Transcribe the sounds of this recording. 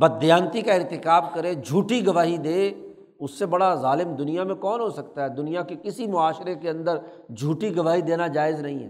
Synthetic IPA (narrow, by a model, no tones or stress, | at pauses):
bɐd̪jãːnt̪ikaɪɾt̪ɪkaːbkɐɾed͡ʒʱuːʈiɡɐʋaːɦid̪eː | ʊsːebɐɽazaːlɪmd̪ʊnijamẽkɔːnɦosɐkt̪aɦɛːd̪ʊnijakekɪsimʊaːʃɾekeɐ̃nd̪əɾ | d͡ʒʱuːʈiɡɐʋaːɦid̪eːnad͡ʒaːɪznɐɦĩɦɛ̰ː